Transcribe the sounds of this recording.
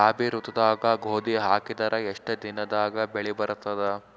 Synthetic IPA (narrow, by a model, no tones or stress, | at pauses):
aːbʱiɾut̪ːɐd̪aːɡɐɡʱoːd̪iɦaːkid̪ɐɾʔɐeʂʈɐd̪inɐd̪aːɡɐbeɭibɐɾɐt̪ːɐd̪e